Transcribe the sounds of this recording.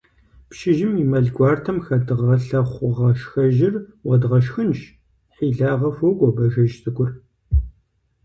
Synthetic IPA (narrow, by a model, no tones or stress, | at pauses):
pʃɪʒɪmimɐɮɡʷɑːrtʰɐmxɐdɨʁɐɬɐχʷʊʁɐʃxɐʒɪrwɐdʁɐʃ̬xɨnʃ | ħiːɮaːʁɐfoɡʷʼɔbɐʒɐʒsɨkʷʼʊr